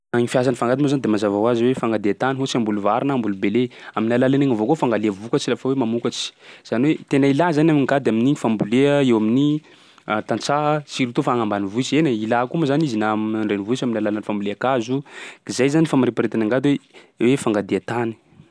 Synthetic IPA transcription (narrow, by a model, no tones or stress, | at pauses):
aɲifias̬anifaŋɡad̪inozand̪emazavawaziwefaŋɡad̪eat̪aniɦot͡siambuluvaɾinambulubeleaminalalaneŋavokofaŋɡaleəvukat͡ʃilafəwemamukat͡ʃi̥z̥aniwet̪enailazanaminɡad̪eaminiɲifambuleəewamini | t̪ant͡saɦt͡siɾit̪ufaaŋambanivuit͡ʃeneilakumazanizinamnaɳɖ͡ʐenivuisaminalalanfambuleakazukizajzanifamaɾepaɾet̪anaŋɡad̪we | wefaŋɡad̪eat̪ani̥